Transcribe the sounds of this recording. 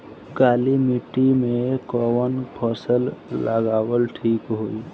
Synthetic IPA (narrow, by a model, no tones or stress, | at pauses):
ɡalimiʈimekɔwənpʰəsəlːəɡaːwəlʈʰiːkɦoi